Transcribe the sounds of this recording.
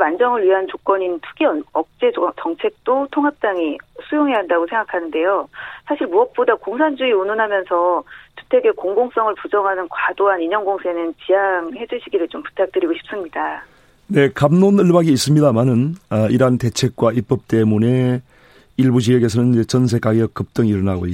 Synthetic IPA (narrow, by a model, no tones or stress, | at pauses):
mand͡ʑʌŋɯɭɥiɦant͡ɕok͈wʌɲintʰu̥ɡiʌʌk̚t͡ɕ͈e̞t͡ɕʌŋt͡ɕʰe̞k̚t͈otʰoŋɦap̚t͈aŋisʰujoŋɦe̞aɦandaɡosʰe̞ŋɡakʰanɯnde̞josʰaɕʰiɾɭmuʌp̚p͈odakoŋsʰand͡ʑuiunonɦamjʌnsʰʌt͡ɕu̥tʰe̞ɡe̞koŋɡoŋs͈ʌŋɯɭpud͡ʑʌŋɦanɯnkwadoɦaniɲʌŋɡoŋsʰe̞nɯnt͡ɕijaŋhe̞d͡ʑuɕʰiɡiɾɯɭt͡ɕompu̥tʰak̚t͈ɯɾiɡoɕʰi̥p̚s͈ɯmɲida | ne̞kamnonɯɭbaɡiːs͈ɯmɲidamanɯnʌiɾante̞t͡ɕʰe̞k̚k͈waip͈ʌp̚t͈e̞mune̞ | iɭbud͡ʑiɦeɡe̞sʰʌnɯnd͡ʑet͡ɕʌns̬ʰe̞k͈aɡikɯp̚t͈ʌŋiɾʌnaɡo̰